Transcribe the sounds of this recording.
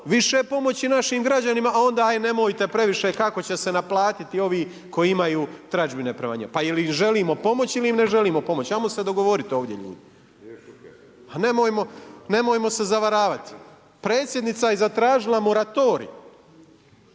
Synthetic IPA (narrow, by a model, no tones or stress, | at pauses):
ʋiʃe̞po̞mo̞t͡ɕinaʃiːmɡɾad͡ʑanimaʔao̞nd̪aːajne̞mojt̪e̞pɾe̞ʋiʃekako̞t͡ɕese̞naplˠaːt̪it̪io̞ʋiː | ko̞jiimajuːt̪ɾad͡ʒbine̞pɾeʋa̰ɲa̰pailiʒe̞liːmo̞po̞mo̞t͡ɕiliimne̞ʒe̞liːmo̞po̞mo̞t͡ɕamosed̪o̞ɡo̞ʋo̞ɾit̪io̞ːʋd̪ʲje̞̰ʎṵːd̪i | ane̞mojmo̞ne̞moːjmo̞se̞zaʋaɾaːʋat̪i̥ | pɾe̞ːt̪sʲje̞d̪nit̪sajezat̪ɾaːʒilˠamo̞ɾat̪o̞ɾḭ